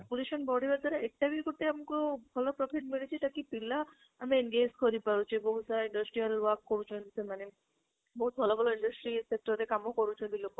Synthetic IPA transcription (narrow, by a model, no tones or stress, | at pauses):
apuleʃɔnbɔɽibaɾt̪aɾaek̚ʈabikoɾt̪eamkobʱɔlopɾɔpʰiʈ̚milet͡ɕʰit̪akipila | amienɡed͡ʑkɔɾipaɾut͡ʃʰiboɦut̪saaiɳɖəsʈɾijalwakːoɾut͡ʃʰensemane | boɦut̪̚bʱɔlobʱɔloiɳɖəsʈɾisek̚ʈɔɾekamokoɾut͡ʃʰonb̪ilokːo